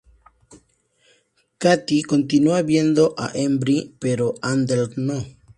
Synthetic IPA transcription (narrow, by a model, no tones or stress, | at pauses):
kat̪ikont̪inuaβje̞nd̪oʔa̰ʔembɾipeɾoʔand̪elkno